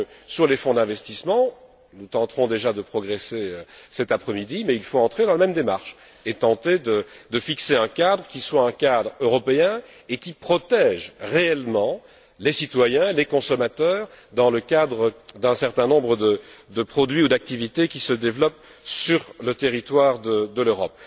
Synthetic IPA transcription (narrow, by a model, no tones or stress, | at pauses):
syʁlefɔ̃d̪ɛ̃vɛst̪ismɑ̃ | nut̪ɑ̃t̪χɔ̃d̪eʒad̪əpχɔɡʁeseøsɛt̪apχɛmid̪imɛilfoɑ̃t̪χed̪ɑ̃ləmɛmd̪emaʁʃ | et̪ɑ̃t̪ed̪əd̪əfikseɛ̃kad̪ʁəkʲiswaɛ̃kad̪ʁøʁɔpeɛ̃ | ekʲipχɔt̪ɛʒʁeɛlmɑ̃ | lesit̪wajɛ̃lekɔ̃sɔmat̪œːʁd̪ɑ̃ləkad̪ʁəd̪ɛ̃sɛʁt̪ɛ̃nɔ̃bʁəd̪əd̪əpχɔd̪ɥiud̪ak̚t̪ivit̪ekʲisəd̪evlɔp̚ | syʁlət̪eʁit̪waʁd̪əd̪əløʁɔp̚